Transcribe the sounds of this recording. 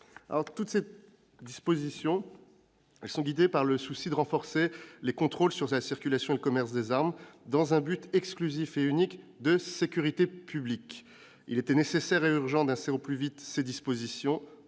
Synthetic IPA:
a̰lɔʁt̪ut̪se | d̪ispozisjɔ̃ | ɛlsɔ̃ɡʲid̪epaʁləsusid̪əʁɑ̃fɔʁselekɔ̃t̪χolsyʁlasiʁkʲylasjɔ̃eləkɔmɛʁsd̪ezaʁmd̪ɑ̃zɛ̃byt̪ʰɛksklyzifeynikd̪əsekʲyʁit̪epʰyblik | ḭlet̪ɛnesesɛʁeyʁʒɑ̃d̪ɛ̃seoplyvit̪sed̪ispozisjɔ̃

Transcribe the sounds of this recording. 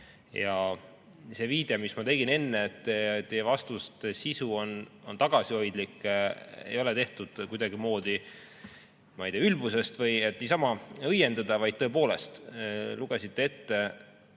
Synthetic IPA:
jɑ | se̞ːviːd̪e̞ɑmismɑt̪e̞ɡ̥ine̞nːeet̪ːt̪ːejevɑst̪ust̪esisuo̞no̞nt̪ɑɡ̥ɑsiho̞jd̪likːˑḛjo̞le̞t̪e̞ht̪ud̪̥kujd̪̥ɑɡ̥imo̞ːd̪̥i | mɑijt̪iːɑylbuse̞st̪vɤje̞t̪ːnʲiːsɑmɑɤje̞nd̪ɑd̪ɑvɑjd̪̚t̪ɤ̞e̞p̬o̞ːle̞st̪luɡ̥esit̪ˑːe̞e̞t̪ːe̞

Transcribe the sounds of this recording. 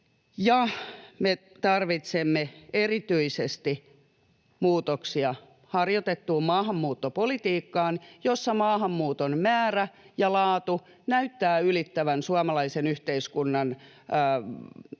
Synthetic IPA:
jɑme | t̪ɑrʋit̪semːeerit̪yisest̪i | muːt̪oksiɑ | hɑrjot̪et̪ːuːmmɑːɦɑmːuːt̪ːopolit̪iːkːɑːnjosːɑmɑːhɑmːuːt̪onmæːræjɑlɑːt̪u | næyt̪ːæːylit̪ːæʋænsuɑmɑlɑisenyht̪eiskunːɑnː

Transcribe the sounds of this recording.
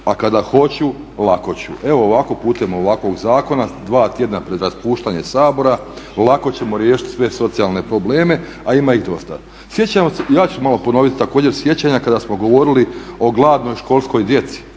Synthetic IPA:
akad̪axo̞t͡ɕu | lˠako̞t͡ɕṵe̞ʋo̞ːʋako̞puːt̪eemoʋakʋo̞ɡzaːko̞nad̪ʋaːt̪je̞d̪napɾe̞d̪ɾaspuːʃt̪aɲe̞saːbo̞ɾalˠako̞t͡ɕe̞mo̞ɾje̞ːʃi̥t̪sʋe̞so̞t̪sijalˠne̞pɾo̞bleːme̞ | aimaiɣd̪o̞st̪a̰ | sje̞t͡ɕamosejaːt͡ɕumalˠo̞po̞no̞ʋit̪t̪ako̞ːd͡ʑe̞ɾsje̞t͡ɕaɲakad̪asmo̞ɡo̞ʋo̞ɾilio̞ɡlˠaːd̪no̞jʃko̞lˠsko̞jd̪je̞t̪si̥

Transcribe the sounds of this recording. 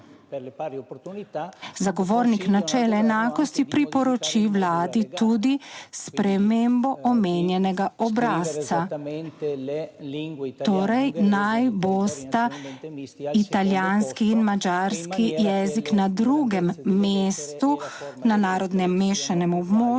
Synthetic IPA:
zaɡɔʋoːɾniknat͡ʃɛːlɛːnaːkɔst̪ipɾipɔɾɔt͡ʃiwlaːd̪it̪ud̪ispɾɛmembɔʔɔmeːnjɛnɛɡaɔbɾaːst̪sa | t̪oːɾɛjnajbost̪a | it̪aljaːnskiːnmad͡ʒaɾskijɛziknad̪ɾuɡɛmːeːst̪unanaːɾɔd̪nɛmːeːʃanɛmɔbmo

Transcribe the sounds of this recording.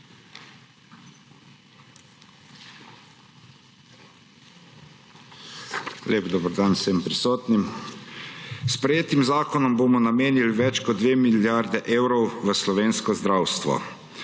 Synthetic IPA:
leːbd̪oːbəɾd̪aːnsəmpɾisoːt̪nim | spɾɛjeːt̪imzaːkɔnɔmboːmɔnameːnilʋɛt͡ʃkɔd̪ʋeːmiljaɾd̪ɛʔeːwɾɔwʋəslɔʋeːnskɔzd̪ɾaːwst̪ʋɔ̰

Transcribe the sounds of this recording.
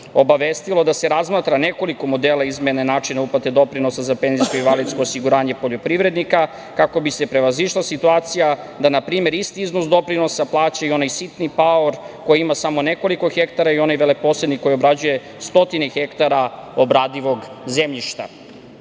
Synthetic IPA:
o̞baʋest̪ilo̞d̪ase̞ɾazmat̪ɾane̞ko̞liko̞mo̞d̪eːlˠaizmenenaːt͡ʂinauplat̪ed̪o̞pɾino̞sazape̞nzisko̞iʋalit̪sko̞ːsiɡuɾaːɲe̞po̞ʎo̞pɾiʋɾe̞d̪nika | kako̞bise̞pɾeʋaziʃlˠasit̪uaːt̪sija | d̪anapɾiːme̞ɾist̪iiznosd̪o̞pɾino̞saplˠaːt͡ɕaio̞najsit̪nipaoɾko̞jiimasamo̞ne̞ko̞liko̞xekt̪aɾaio̞najʋelepo̞sle̞d̪niko̞jo̞bɾad͡ʑuje̞ | st̪o̞t̪inexe̞kt̪aɾao̞bɾaːd̪iʋo̞ɡzemʎiʃt̪a̰

